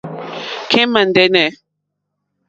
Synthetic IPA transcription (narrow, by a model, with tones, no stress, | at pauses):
kʰɛ̃˦mã˨n˨dɛ˦nɛ˨